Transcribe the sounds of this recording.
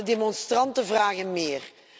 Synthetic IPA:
ədemɔnstrɑntəvraːɣənmɪːr

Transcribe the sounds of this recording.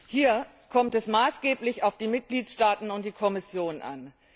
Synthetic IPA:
hiːɐ | kʰɔmtɛsmaːsɡ̥eːplɪçaʊfd̥iːmɪt̚ɡ̥liːtʃtaːtn̩ʊnt̚d̥iːkʰɔmɪsjoːnʔa̰n

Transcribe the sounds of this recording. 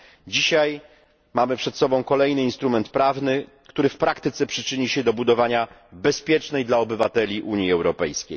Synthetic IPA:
d͡ʑiɕaj | mamɘpʂɛt̪sɔbɔ̃w̃kɔlɛjnɘinst̪ɾumɛnt̪̚pɾavnɘ | kt̪uɾɘfpɾakt̪ɘt̪sɛpʂɘt͡ʂɘɲiɕɛd̪ɔbud̪ɔvaɲa | bɛspʲjɛt͡ʂnɛjd̪laɔbɘvat̪ɛlʲiʔuɲjiɛwɾɔpɛ̰jskʲḛj

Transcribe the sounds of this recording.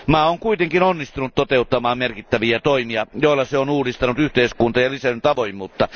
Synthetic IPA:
mæːoŋkuit̪eŋkinonːist̪unut̪t̪ot̪eut̪ːɑmɑːmmerkit̪ːæʋiæt̪oimiɑjoˑilːɑseonuːdist̪ɑnut̪yht̪eˑiskunt̪ɑjɑlisænt̪ɑʋojmˑuːt̪ːɑ

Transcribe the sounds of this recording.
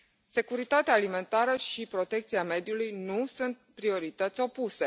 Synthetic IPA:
se̞kuɾit̪at̪eaːlime̞nt̪aɾəʃipɾo̞t̪e̞k̚t̪siame̞d̪julujnusunt̪̚pɾio̞ɾit̪ət̪sʲo̞puse̞

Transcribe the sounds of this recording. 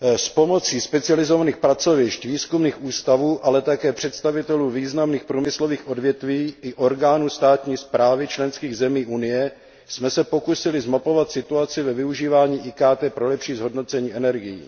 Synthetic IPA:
spo̞mo̞t͡siːspɛt͡sɪalɪzo̞vaniːxpɾat͡so̞vɪʃcviːskumniːxʔuːst̪avuːʔalɛt̪akɛːpr̝̥ɛt̪st̪avɪt̪ɛluːviːznamniːxpɾuːmɪslo̞viːxʔo̞dvjɛt̪viːʔɪʔo̞ɾɡaːnust̪aːt̪ɲiːspɾaːvɪt͡ʃlɛnskiːɣzɛmiːʔunɪjɛ | smɛsɛpo̞kusɪlɪzmapo̞vat̪sɪt̪uat͡sɪvɛvɪuʒiːvaːɲiːʔiːkaːt̪ɛːpɾo̞lɛpʃiːzɦo̞dno̞t͡sɛɲiːʔɛnɛɾɡɪjḭː

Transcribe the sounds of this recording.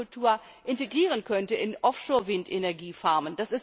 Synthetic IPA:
ʊltʰuːɐ | ʔɪnteɡʁiːʁ̞ənkʰœntəɪnʔɔfʃoːɐvɪntenɛɐɡiːfaɐmənd̥asɪs

